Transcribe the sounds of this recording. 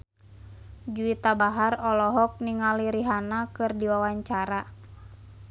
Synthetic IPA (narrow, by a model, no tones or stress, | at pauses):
d͡ʒuit̪abaɦarɔlɔɦɔk̚niŋaliɾiɦanakɨrdiwawaɲt͡ʃaɾa